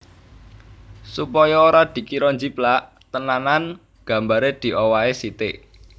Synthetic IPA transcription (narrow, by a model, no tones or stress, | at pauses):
supɔjɔoɾad̪̥i̤kiɾɔɲd͡ʒiplaʔ | t̪ənanan | ɡ̥a̤mbaɾed̪̥i̤ʔowaesit̪e